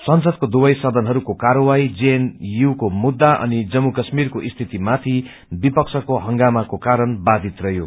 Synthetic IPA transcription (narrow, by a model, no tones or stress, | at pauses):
sʌnsʌd̪̚kod̪ubʌjsʌd̪ʱʌnɦʌɾukokaɾʌwajd͡zenjukomud̪ːaʔʌ̰nid͡zʌmːukʌsmirkoʔist̪ʰit̪imat̪ʰi | bipʌksʰʌkoɦʌŋɡamakokaɾʌnbad̪ʱit̪rʌjo